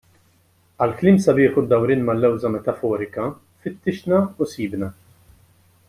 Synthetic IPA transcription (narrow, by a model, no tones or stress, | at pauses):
ɐlkliːmsɐbɪːħʊd̪ɐwɾiːnmɐlːɛwzɐmɛt̪ɐfɔːɾɪkɐ | fɪt̪ːɪʃnɐʊsiːbnɐ